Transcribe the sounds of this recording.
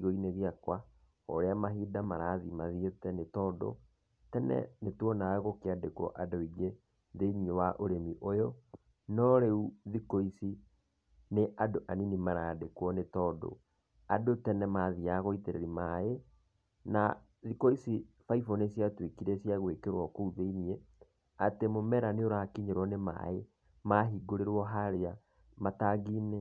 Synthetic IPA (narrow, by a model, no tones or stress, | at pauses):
ɣoineɣjakwa | ɔ̰ɾeamaɦiːdamaɾaːðimaðietɛnetɔːdɔ̰ | tɛnɛ̰netwɔnaɣokeadekɔ̰ʔadoiɡe | ðemiewaʔoɾemiʔojɔ | nɔɾeuðikoisi | neʔadoʔaninimaɾadekwɔnetɔːdɔ̰ | adotɛnɛmaðiaɣoiteɾḛɾimae | na | ðikoisi | faifɔnesjatwekiɾesjaɣwekeɾwɔkouðeinie | atemomɛɾaneoɾakiɲeɾwɔnema̰e | maɦiɡoɾeɾwɔɦaɾea | mataɡiːnɛ